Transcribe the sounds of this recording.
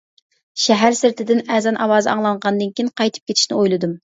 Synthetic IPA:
ʃɛɦæɾsɪɾt̪ʰɪd̪ɪnɛzɑnʔɑwɑːzɨɑŋlˠɑɴʁɑnɨd̪ɨnkʲʰijnqɑjt̪ʰɨ̥p̚kʲʰet̪ʰɪ̥ʃnɪojlˠɨd̪um

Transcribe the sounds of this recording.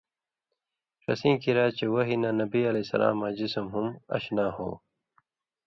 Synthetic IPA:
ʂɐ̰sĩːkiɾaːt͡ɕewɐɦinanɐbiɐlesɐ̰la̰ːmːad͡ʑismɦumɐ̰ɕnaːho̰ː

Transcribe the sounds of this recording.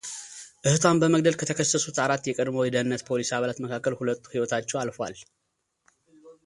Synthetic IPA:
ʔɨhɨt̪ʰwambəməɡ̚d̪əlkʰət̪ʰəkʰəsːəsut̪aɾat̪ːjɛkʼəd̪mowjɛd̪əhɨnːət̪pʰo̞lisaβəlat̪məkʰakːəlhulət̪ːu̥hiwɔt̪ʰat͡ʃːɛwalfwa̰l

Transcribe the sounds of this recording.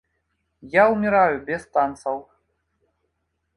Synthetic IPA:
jaumʲɛɾajubʲɛst̪ant̪sɐw

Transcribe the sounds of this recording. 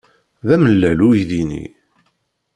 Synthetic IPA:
ðæməlːælujðinḭ

